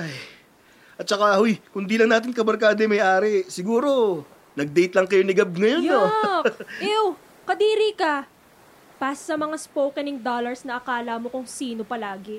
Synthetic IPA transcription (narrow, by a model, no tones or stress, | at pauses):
ʔaj | ʔɐt̪̚t͡ʃɐkahojkʊnd̪iːlɐŋnaːt̪̬ɪnkɐbɐɾkaːd̪ɛmɐjʔaːɾɪsɪɡuːɾo̞ | nɐɡ̚d̪ɛjt̪lɐŋkɐjonɪɡɐb̚ŋɐjono | ʔɛw | kɐd̪iːɾikɐ | passɐmɐŋaspowkɐnɪŋd̪oːlɐɹsnɐʔɐkaːlɐmo̞kʊŋsiːno̞pɐlaːɡɪ